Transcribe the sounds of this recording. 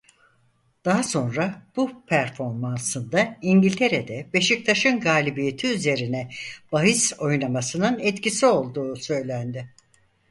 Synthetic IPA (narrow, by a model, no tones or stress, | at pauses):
d̪̥aɦaso̞nɾab̥upʰæɾfo̞ɾmansɯnd̪aiɲɟilʲt̪ʰe̞ɾed̪ɛbe̞ʃic̚t̪ʰaʃɯnɡaːlʲibije̞t̪ʰiyze̞ɾinɛb̥aɦiso̞jnamasɯnɯnɛt̪cisio̞lˠd̪uːsø̞jlʲænd̪ɪ